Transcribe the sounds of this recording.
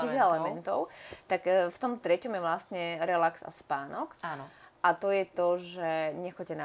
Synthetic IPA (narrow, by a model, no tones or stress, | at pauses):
iːɣɛlɛmɛnt̪ɔʊt̪akːft̪ɔmt̪ɾɛcɔmjɛʋlast̪ɲɛɾɛlaksa̰spaːnɔkaːnɔʔat̪ɔjɛt̪ɔʒɛɲɛxɔɛna